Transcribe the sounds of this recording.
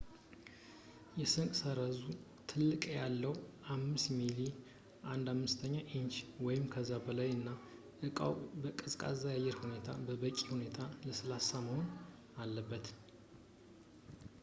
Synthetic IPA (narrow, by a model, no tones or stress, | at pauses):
jɛsɨŋkʼsəɾəzut̪ʰɨlːɨkʼjalːəwamːɨsmili | ʔand̪amːɨst̪ʰəɲːaʔint͡ʃwɔjɪmkʰəzːabəlajɨnːa | ʔɨkʼa̰wbəkʼɨzkʼa̰zajajɛɾhune̞t̪ʰabəbəkʼːihune̞t̪ʰaləsɨlasːaməhon | alːəbːət̪